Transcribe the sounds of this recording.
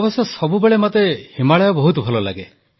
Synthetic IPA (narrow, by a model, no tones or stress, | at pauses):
bɔsɔsɔbubeɭemat̪ehimaɭɔjɔbɔɦut̪ɔbʱɔlɔla̰ɡe